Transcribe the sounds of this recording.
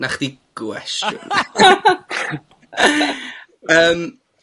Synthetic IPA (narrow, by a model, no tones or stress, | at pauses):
naχd̥iɡ̥wɛ̰sjʊ̰n | əːm